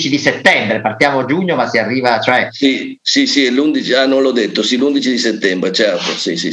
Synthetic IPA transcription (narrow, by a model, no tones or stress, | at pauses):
t͡ʃid̪iset̪ːɛmbɾepart̪jaːmoad͡ʒuɲːomasiarːiːvat͡ʃoɛsi | sisiɛlund̪it͡ʃianõnlɔd̪et̪ːosilund̪it͡ʃid̪iset̪ːɛmbɾet͡ʃɛɾt̪osisi